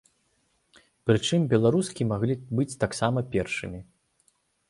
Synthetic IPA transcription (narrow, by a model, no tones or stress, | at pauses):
pɾɨt͡ʂɨmbʲɛlˠaɾuskʲimaɣlʲibɨt͡sʲt̪aksamɐpʲɛrʂɨmʲi